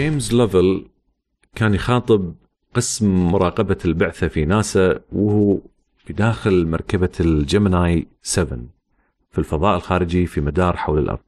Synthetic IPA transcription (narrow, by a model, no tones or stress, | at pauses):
d͡ʒeːmzlɛvɪl | kaːnjɪxɑːt̪ˤɨb̚ | qɨsmmʊɾˤɑːqɑbalbʊʕθafinaːsawʊhu | fid̪aːxɪlmɑ̰ɾˤkabad͡ʒamnaːjsɛvɪ̰n | filfɑðˤɑːʔɪlxaːɾɪd͡ʒifimad̪ɑːɾˤħawlɪ̰lʔɑ̰ɾˤðˤ